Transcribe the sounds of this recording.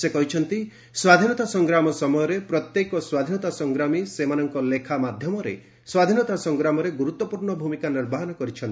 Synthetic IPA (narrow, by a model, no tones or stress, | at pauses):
sekɔɦit͡ʃʰɔnt̪i | swad̪ʱinɔt̪asɔŋɡɾamɔsɔmɔjɔɾepɾɔt̪jekɔswad̪ʱinɔt̪asɔŋɡɾamisemanɔŋkɔlekʰamad̪ʱjɔmɔɾḛ | swad̪ʱinɔt̪asɔŋɡɾamɔɾeɡuɾut̪ːɔpuɾɳɔbʱumikanɔɾbaɦɔnɔkɔɾit͡ʃʰɔnt̪i